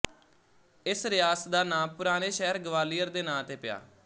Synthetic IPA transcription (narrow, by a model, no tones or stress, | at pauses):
ɪsɾɪjaːsd̪aːnãːpʊɾaːneːʃɛːɾɡəʋaːlijəɾd̪eːnãːt̪eːpɪja̰ː